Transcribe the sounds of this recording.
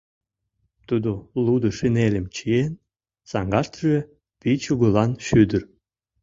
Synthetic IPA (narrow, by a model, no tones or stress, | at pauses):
t̪ud̪olud̪ɨ̆ʃɨnelʲɘ̆mt͡ɕien | sɑŋɡɑʃt̪ʒe | pit͡ɕuɣɤlɑnʃyd̪əɾ